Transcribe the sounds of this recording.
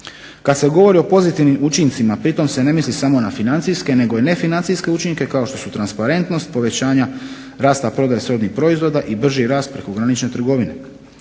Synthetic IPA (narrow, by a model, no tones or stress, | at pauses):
kad̪se̞ɡo̞ʋo̞ɾio̞po̞zit̪iʋnimut͡ʃint̪simapɾit̪o̞mse̞ne̞mislisamo̞nafinant̪siske̞ne̞ɡo̞ine̞finant̪siske̞ut͡ʃiŋke̞kao̞ʃt̪osut̪ɾanspaɾe̞nt̪no̞st̪po̞ʋe̞t͡ɕaːɲa | ɾaːst̪apɾo̞d̪ajesɾo̞d̪nixpɾo̞izʋo̞d̪aʔibr̩ʒiɾaːst̪̚pɾe̞ko̞ɡɾanit͡ʃne̞t̪ɾr̩ɡo̞ʋine̞̰